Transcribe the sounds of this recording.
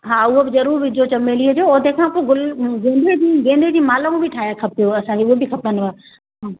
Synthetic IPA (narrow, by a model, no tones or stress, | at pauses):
ɦaːʊɦobɪzɐɾuːɾbɪd͡ʑoːt͡ɕɐmeːliəd͡ʑoːod̪eːkʰãkoɡʊlɡẽːnd̪ed͡ʑiːɡẽːnd̪ʱed͡ʑiːmaːlaũbɪʈʰaːɦjakʰɐp̚t̪ijoɐsãiʊɦobɪkʰɐpənɪ̆ʋa | ɦaː